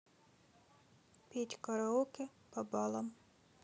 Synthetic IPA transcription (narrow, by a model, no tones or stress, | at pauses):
pʲitʲkɔɾɔukɪpɔbɔlˠɔm